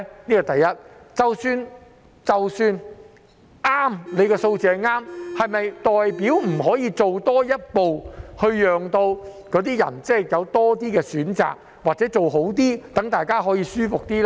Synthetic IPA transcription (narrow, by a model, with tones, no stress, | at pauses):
niː˥kɔ˧t̪ɐ˨jːɐ˥t̚t͡sɐ˨wsyː˧n | t͡sɐ˨wsyː˧n | ʔaː˥mle˨˧jkɛː˧so˧wt͡sɛː˨˧˥ŋaː˥mhɐ˨jmɐ˨jt̪ɔː˨jpiː˨˥wm̩˨˩hɔː˨˥jiː˨˧t͡so˨wt̪ɔː˥jɐ˥t̚po˨whɵ˧ɥjœː˨ŋt̪o˧wkɔː˨˥t̪iː˥jɐ̰˨˩nt͡sɛː˥˨jɐ˨˧wt̪ɔː˥t̪̬iː˥kɛː˧syː˨˥nt͡sa̰ː˨˩k̚ | waː˨˩t͡sɛː˨˥t͡so˨wɦo˨˥wt̪̬iː˥t̪ɐ˨˥ŋt̪aː˨˩jkaː˥ɦɔː˨˥jiː˧syː˥fʊ˨k̚t̪iː˥lː